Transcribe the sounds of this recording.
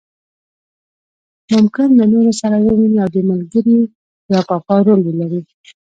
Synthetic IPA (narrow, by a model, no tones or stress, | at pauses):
mʊmkɪnlanoɾosaɾawəmaniawd̪əmalɡəɾi | jɑpɑpɑɾolwelaɾi